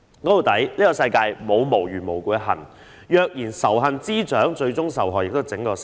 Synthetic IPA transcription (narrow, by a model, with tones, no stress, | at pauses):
kɔː˨˥t̪o˨˧wt̪ɐ˨˥jliː˥kɔː˧sɐ˧jkaː˧jmo˨˧wmo˨˩wjyː˨˩mo˨˩wkuː˨˧ɦɐ˨˩n | jœː˧k̚jiː˨˩nsɐ˨˩wɦɐ˨nt͡siː˥t͡ʃœː˨˥ŋt͡ʃɵ˧ɥt͡sʊ˥ŋsɐ˨˩wɦɔː˨˩jɪ˨k̚t̪ʊ˥t͡sɪ˨˥ŋkɔː˧s